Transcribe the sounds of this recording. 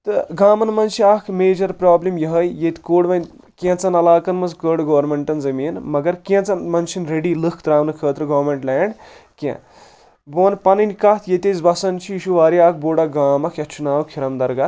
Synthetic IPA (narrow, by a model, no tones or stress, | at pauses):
t̪ɨɡaːmɐnmɐnt͡ʃʰiaːkʰmeːd͡ʒɐɾpɾaːblimjɐɦəjjet̪koːɽʋɐnʲ | kʲẽt͡sɐnɐlaːkɐnmɐzkəːɖɡɐːɾmeɳʈɐnzɐmiːnmɐɡɐɾkʲẽt͡sɐnmɐnt͡ʃʰinɾeɖiːlɨkʰt̪ɾaːʋnɨkʰəːt̪ɾɨɡɐːɾmeɳʈlɛːɳɖkḛ̃ | boːnpɐnɨnʲkat̪ʰjet̪ezbɐsɐnt͡ʃʰiiʃuʋaːɾiaːk̚ʰboːɽaɡaːmɐkʰjɐtt͡ʃʰunaːʋukʰiɾɐmd̪ɐɾɡɐt̪